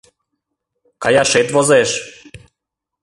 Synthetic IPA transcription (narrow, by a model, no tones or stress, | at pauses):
kajaʃet̪ʋozeʃ